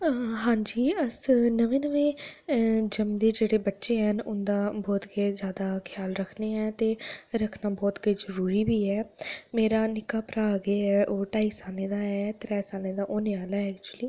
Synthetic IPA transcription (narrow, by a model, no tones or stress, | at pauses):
ɦãːɲd͡ʒiːəsnəʋẽːnəʋẽː | d͡ʒəmd̪eːd͡ʒeːɽeːbətːʃeːɦənʊnd̪aːbɔːt̪keːzjaːd̪aːkʰjaːlɾəkʰneːɛːt̪eːɾəkʰnaːbɔːt̪kezəɾuːɾiːbiːɛːmeːɾaːnɪkaːpɾaːɡeɛːʔoːʈaːisaːlneːd̪aːɛːt̪ɾɛːsaːlẽːd̪aːʔoːneaːlaɛɛːk̚t͡ʃuəliː